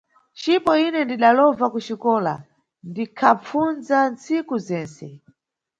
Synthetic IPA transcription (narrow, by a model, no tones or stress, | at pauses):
t͡ʃipɔinɛndiɗalɔvakut͡ʃikɔːla̰ | ndikʰap͡funzant͡sikuzɛːnsɛ